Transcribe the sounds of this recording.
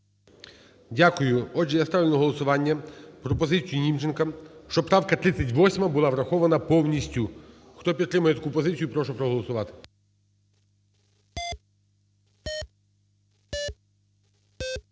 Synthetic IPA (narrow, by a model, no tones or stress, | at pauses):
dʲakʊjʊɔd͡ʒijast̪aʋɪlʲnʊɦɔlˠɔsʊʋɑnʲːɐpɾɔpɔzɪt͡sʲijinʲimt͡ʃenkɐʃt͡ʃɔpɾɑʋkɐt̪ɾɪt͡sʲːɐtʲʋɔsʲmɐbʊlˠɑʋɾɐxɔʋɐnɐpɔwnʲisʲtʲʊ | xt̪ɔpʲid̪t̪ɾɪmʊjɛt̪ɐkupɔzɪt͡sʲijupɾɔʃʊpɾɔɦɔlˠɔsʊʋɑt̪ɪ̥